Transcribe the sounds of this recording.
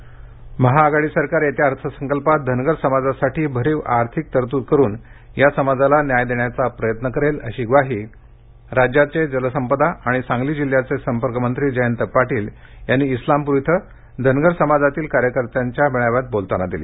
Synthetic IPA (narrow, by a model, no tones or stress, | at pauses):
məɦaɡaɽiːsəɾkaɾet̪jaaɾt̪ʰəsəŋkəlpat̪̚d̪ʱənɡəɾsəmad͡zasaʈiːbʱəɾiːʋaɾt̪ʰik̚t̪əɾt̪uːt̪kəɾuːn | jasəmad͡zalanjajd̪eɳjat͡sapɾəjət̪nəkəɾelə̰ɕiːɡʋaɦiː | ɾad͡ʑjat͡sed͡zələsəmpəd̪aʔaɽ̃isãŋɡliːd͡ʑil̤ːjat͡sesəmpəɾkəmənt̪ɾiːd͡ʑəjənt̪əpːaʈiːl | janːiːslampuɾt̪ʰə | d̪ʱənɡəɾsəmad͡zat̪iːlkaɾjəkəɾt̪jaɲt͡ɕjaʋeɭ̃aʋat̪̚bolt̪anad̪ilḭː